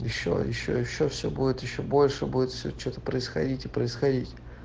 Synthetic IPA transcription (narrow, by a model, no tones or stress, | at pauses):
jɪɕːo̰jɪɕːo̰jɪɕːofsʲobudʲɪt̪jɪɕːo̞bo̞lʲʂɨbudʲɪt̪fsʲot͡ɕot̪ə̥pɾəɪsxɐ̰dʲitʲɪpɾəɪsxɐdʲitʲ